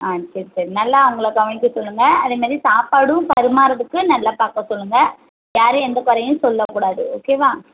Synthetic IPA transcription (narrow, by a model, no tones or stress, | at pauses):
aːseːɾsaːɾinɐlːaːʊŋɡɐɭɐkɐʋɐɳɪkːɯsɔlːɯŋɡɐɐðeːmaːðɾisaːpaːɽɯ̃pɐɾɯmaːɾɐðɯkːɯnɐlːaːpaːɾkɐ̃sɔlːɯŋɡɐ | jaːɾɯ̃ɛnd̪ɐkɔɾɐjʊ̃sɔlːɐkuːɽaːðɯoːkeːʋãː